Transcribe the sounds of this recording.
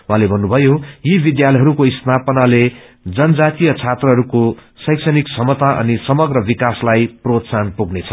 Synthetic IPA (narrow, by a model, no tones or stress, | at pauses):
wuɦãlebʱʌnːubʱʌjojibid̪jalʌjɦʌɾukoist̪apʌnale | d͡zʌnd͡zat̪ijʌt͡sʰat̪rʌɦʌɾukosʌjksʌniksʌmʌt̪aʔʌ̰nisʌmʌɡrʌbikaslajprot̪sanpuɡnet͡sʰʌ